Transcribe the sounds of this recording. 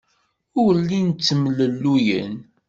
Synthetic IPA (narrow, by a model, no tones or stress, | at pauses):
ʊɾlːint͡sːmələlːujə̰n